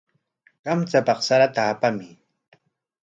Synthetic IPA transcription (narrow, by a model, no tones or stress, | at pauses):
ɢamt͡sapɑχsaɾat̪aːpamɪ